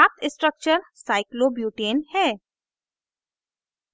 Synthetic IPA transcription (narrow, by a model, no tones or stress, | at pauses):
aːt̪ɪsʈɾək̚t͡ʃəɾsaːɪkloːbjuːʈeːnhɛː